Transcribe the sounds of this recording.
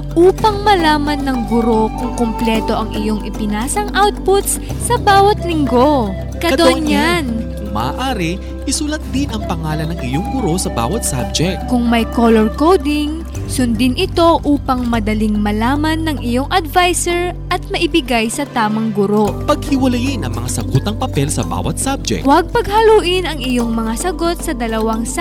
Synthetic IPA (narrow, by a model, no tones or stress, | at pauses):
ʔuːpɐŋmɐlaːmɐnːɐŋɡʊɾo̞kʊŋkomplɛːt̪o̞ʔɐŋɪjo̞ŋʔɪpɪnaːsɐŋʔawt̪̚pʊt̪s | sɐbaːwɐt̪̚lɪŋɡo̞ | kɐd̪onjankʊmɐ̰ʔa̰ʔaːɾɪ | ʔɪsulɐt̪̚d̪ɪnɐŋpɐŋaːlɐnːɐŋʔɪ̰joŋɡʊɾo̞sɐba̰wɐt̪̚sa̰b̚d͡ʒɛk̪̚kʊŋmɐjkolɛɹkowd̪ɪŋ | sʊnd̪ɪnʔɪt̪o̞ʔuːpɐŋmɐd̪ɐliŋmɐlaːmɐnːɐŋʔɪjo̞ŋʔɐd̪vajsɛɹʔɐt̪̚mɐʔɪbɪɡajsɐt̪aːmɐŋɡʊɾo̞pɐɡ̚hɪwɐlɐjɪnʔɐŋmɐ̰ŋasɐɡut̪ɐŋpɐpɛlsɐ̰ba̰ːwɐ̰t̪̚sab̚d͡ʒɛ̰kwɐɡ̚pɐɡ̚hɐluːʔɪnɐŋɪjo̞ŋmɐŋasɐɡo̞t̪̚sɐd̪ɐlɐwaŋs